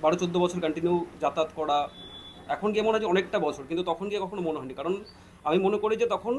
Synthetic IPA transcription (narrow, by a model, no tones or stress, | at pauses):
baɽot͡ɕod̪ːobɔt͡ɕʰoɾkaɳʈinuwd͡ʑat̪at̪kɔɽa | ɛkʰonɡiamonead͡ʑeɔnekʈabɔt͡ɕʰoɾkint̪ut̪ɔkʰonɡiakɔkʰonomoneɦɔjnikaɾon | amimonekoɾid͡ʑet̪ɔkʰon